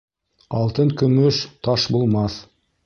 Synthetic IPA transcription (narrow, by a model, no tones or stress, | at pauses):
ɑlˠt̪əŋkʲʰɵmɵʃt̪ʰɑʃbolˠmɑs